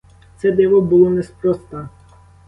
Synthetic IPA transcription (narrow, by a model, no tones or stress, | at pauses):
t̪sɛd̪ɛʋɔbʊlˠɔnɛspɾɔst̪a